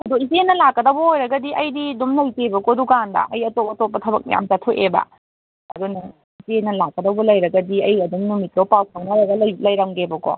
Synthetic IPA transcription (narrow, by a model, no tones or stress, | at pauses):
ɐduizeenːɐlakːɐdɐbuojɾɐɡɐdiʔɐjdidumlɐjkebɐkɔdukandɐ̰ʔɐjɐtop̚ɐtop̚ːɐtʰɐbɐ̰k̚n̰ja̰mtatʰoʔebɐ̰ | ɐ̰dunɐ | izeenɐlakːɐdɐbulɐjɾɐɡɐdiɐjɐdumnumit̚kɐwpawkʰɐŋnɐlaɡɐllɐjɾaŋɡebɐkɔ̰